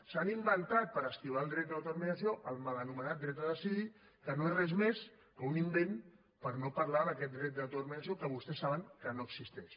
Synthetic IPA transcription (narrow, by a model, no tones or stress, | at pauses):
sanimbənt̪at̪̚pəɾəst̪iβalˠd̪ɾɛt̪əət̪uɾmənəsioʔəlˠmələnumənat̪̚d̪ɾɛt̪əðəsiði | kənoerɛzmes | kəunimben | pəɾnopəɾlaðəkɛt̪̚d̪ɾɛt̪̚d̪ət̪uɾmənasiokəβust̪ɛsːaβəŋkənoəksist̪ɛʃ